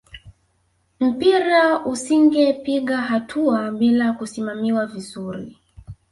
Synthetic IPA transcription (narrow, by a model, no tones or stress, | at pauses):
m̩piɾausiŋɡɛpiɠaɦatʰuaɓilakusimamiwavizuɾḭ